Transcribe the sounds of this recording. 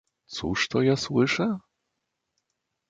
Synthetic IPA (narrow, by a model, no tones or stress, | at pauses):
t̪sṵʂt̪ɔjaswɘʂɛ